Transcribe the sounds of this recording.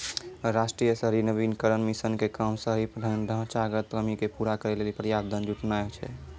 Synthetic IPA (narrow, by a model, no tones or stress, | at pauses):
ɾasʈɾijəsəɦɾinəbinkəɾənmisənkekamsəɦipəɖʱəɪnɖʱə̃ɦt͡ʃaɡət̪kəmikepuɾakəɾelelipɾəjad̪ʱənd͡ʒuʈnaet͡ʃʰɛ̰